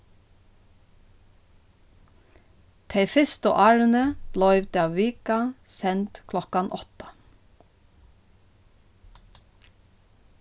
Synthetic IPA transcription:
t̪ʰeɪfɪst̪o̰ːʔɑɹnəb̥lɔʏʋt̪eɑːʋiːkɑsɛnt̪kʰlɔkɑnʔɔt̪ə̥

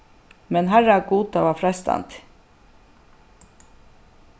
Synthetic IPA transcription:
mɛnɦæɾaɡuːd̪aʋɑfɾɑst̪ɑ̰nt̪

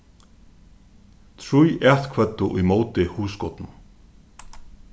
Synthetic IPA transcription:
t̪ʰɾujʔɛt̪kʰvœt̪ːʊʔʊjmoːwt̪ɪhuːskɔt̪nʊ

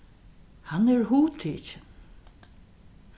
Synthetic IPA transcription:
hanɛɹɦuːt̪ʰiːt͡ʃɪn

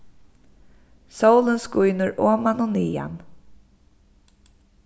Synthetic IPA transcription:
sowlənskujnəɹoːmanɔːniːa̰n

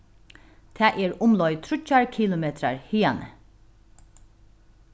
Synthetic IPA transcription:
t̪ʰæːʔɛɹʊmlɔjt̪ʰɾʊt͡ʃaɹkʰiːlʊmeːt̪ɾa̰ɹhiːanə̰

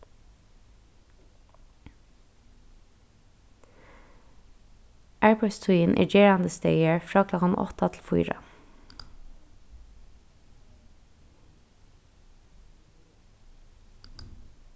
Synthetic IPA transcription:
ʔæːɹpʰɔd̪st̪ʰʊiːnʔæ̰ːd͡ʒeːɹɑnd̪əst̪œɪəɹfɹɑːkʰlɔkɑnʔɔ̰t̪ɑt̪ʰl̩fʊʏɾɑ̰

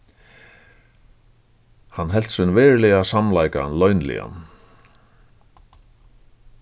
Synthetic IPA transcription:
hanːɦɛl̥t̪sɪnvɛːɹlɪasamlajka̰lœɥnlɪ̰a̰n

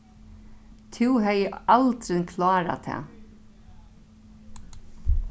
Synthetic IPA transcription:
t̪ʰɪwɦɛjəalt̪ɾɪkʰlaːɾa̰t̪ʰɛ̰ː

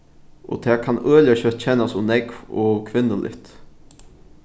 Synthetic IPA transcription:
ʔo̰ːt̪ʰɛːkʰanøːljaɕœt̪t͡ɕʰɛnasʊnɛkvɔ̰ːkʰʋɪnːəlʔɪ̰ht̪

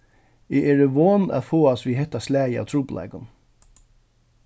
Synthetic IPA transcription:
ɪʔɛːɾəʋoːna̰ðfoːasʋiːɦɛht̪ːaslæːjəa̰wt̪ʰɾuːpla̰jkʊn

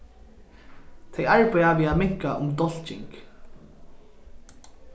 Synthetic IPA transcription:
t̪ʰɛjaɹpʏavɪamɪŋ̥kaʔʊmd̪ɔl̥t͡ʃɪ̰ŋk

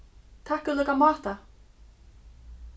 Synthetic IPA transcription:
t̪ʰahkʏlœjkamaːht̪a

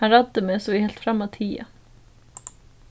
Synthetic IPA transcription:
ɑɾɑd̪əmeːsɔːʋihɛlt̪fɾɑmɑt̪ʰiːɑ̰

